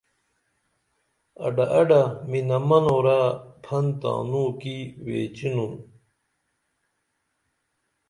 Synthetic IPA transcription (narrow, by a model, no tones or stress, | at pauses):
ɐ̰ɖɐʔɐɖɐminɐmɐnoːɾapʰɐnt̪a̰ːnuːkiwḛːt͡ɕinun